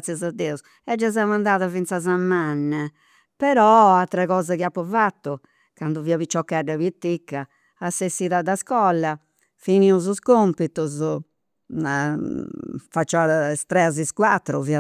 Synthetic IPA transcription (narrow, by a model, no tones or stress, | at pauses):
t̪sjazad̪ːɛus | ɛd͡ʒːaz̬amand̪aːðavint̪sazamːanː | pɛɾɔat̪ːɾaɣɔːzakiapːɔvat̪ːu | kand̪uviːaβit͡ʃːɔkːaɖaβit̪ːikːaː | sːesiðad̪askɔlːa | finiuzuskompit̪uz | fat͡ʃːɔast̪ɾɛaziskwat̪ːɾuvi